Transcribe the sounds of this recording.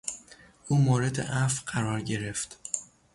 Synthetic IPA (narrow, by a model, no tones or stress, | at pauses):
ʔuːmoːɾe̞d̪ḛʔæfɢæɾɒːɾɟe̞ɾe̞ft̪